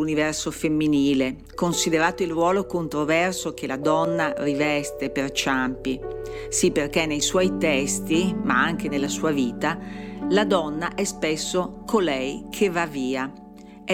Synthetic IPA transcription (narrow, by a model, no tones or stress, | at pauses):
univɛrsofemːiniːle | konsid̪eɾaːt̪oilrwɔːlokont̪ɾovɛrsok̟elad̪ɔnːarivɛst̪epert͡ʃampi | sipːerk̟enːejswɔjt̪ɛst̪imaaŋk̟enelːasuːaviːt̪alad̪ɔnːaʔɛspesːokʰolɛjkʰevːaviːa